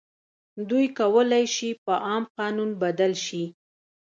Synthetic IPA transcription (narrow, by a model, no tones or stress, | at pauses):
d̪ujkawəlajʃipəʔɑmqɑnunbad̪alʃi